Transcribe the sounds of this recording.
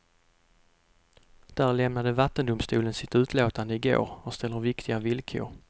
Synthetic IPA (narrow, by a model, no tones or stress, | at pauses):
d̪̥æːɾlɛmnad̪əvat̪ːənd̪ʊmst̪uːlənsɪt̪ʉ̟ːt̪ʰloːt̪and̪əɪɡo̰ːɾɔst̪ʰɛlːəɾvɪkt̪ʰɪɡavɪlkʰʏ̰ʊ̰ɾ